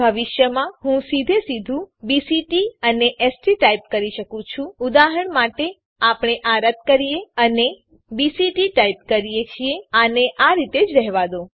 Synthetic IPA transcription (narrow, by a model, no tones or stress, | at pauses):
bʱəʋɪʃjəmãɦũsid̪ʱesid̪ʱũbisiʈiəneʔesʈiʈaip̚kəɾiʃəkũt͡ʃʰũud̪aɦəɳmaʈe | apɳ̃eʔaɾət̪̚kəɾijeəne | bisiʈiʈaip̚kəɾijet͡ʃʰieaneʔaɾit̪ed͡ʒɾɛɦʋad̪o